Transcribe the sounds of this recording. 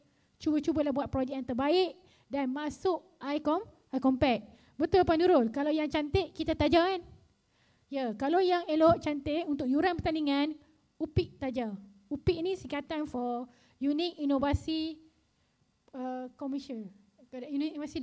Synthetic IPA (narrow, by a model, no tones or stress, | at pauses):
t͡ʃubət͡ʃubəlahbuat̪̚pɾɔd͡ʒɛk̚jãnt̪əbaɪʔ | danmasʊʔ | ajkɔm | ajkɔmpɛk̚ | bət̪ʊlpanuɾʊlkalawjaŋt͡ʃant̪eʔkit̪at̪ad͡ʒawan | jakalawjaŋelɔʔt͡ʃant̪eʔunt̪ʊk̚juɾanpərt̪aniŋãn | upiʔt̪ad͡ʒa | upiʔnisiŋkat̪anfɔ | junik̚inovasi | əkɔməʃən | unikinvasi